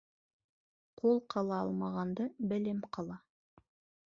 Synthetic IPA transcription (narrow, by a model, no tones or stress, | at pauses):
qʰolˠqʰɑlˠɑɑ̰lˠmɑʁɑnd̪ɤbɘ̆lɘmqʰɑlˠɑ